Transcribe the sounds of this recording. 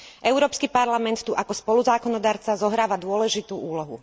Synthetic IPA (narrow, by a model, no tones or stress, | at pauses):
ʔɛʊɾɔːpskipaɾlamɛnt̪t̪ːuʔakɔspɔluzaːkɔnɔd̪aːɾt͡sazɔɦɾaːʋad̪ʊɔlɛʒit̪uːuːlɔɦṵ